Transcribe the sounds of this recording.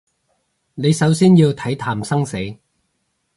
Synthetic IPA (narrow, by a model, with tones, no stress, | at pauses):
ne˨˧jsɐ˨˥wsiː˥njiː˧wt̪ʰɐ˨˥jt̪ʰaː˨˩msɐ˥ŋse˨˥j